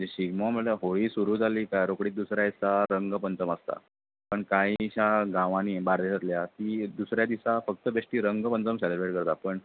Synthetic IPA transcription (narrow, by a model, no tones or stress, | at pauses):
d͡ʑeɕiɡmam̤əɭləɦoɭiːsuɾuːd͡zʱaliːkajɾokɽiːt̪̚d̪usɾjajt͡saɾəŋɡpənt͡səməst̪a̰ | pəɳkãiɕaɡãʋãniːbaɾd̪eɕət̪ljat̪iːd̪usɾjad̪isafək̚t̪əbeʂʈiːɾəŋɡpənt͡səmɕaɾeɾbeɽkəɾt̪apəɳ